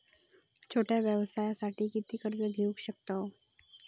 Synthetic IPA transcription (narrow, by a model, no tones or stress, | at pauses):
t͡ɕʰoʈjaʋjəʋəsajasaʈʰiːkit̪iːkəɾd͡zəbɡʱuːɡɕək̚t̪aɦo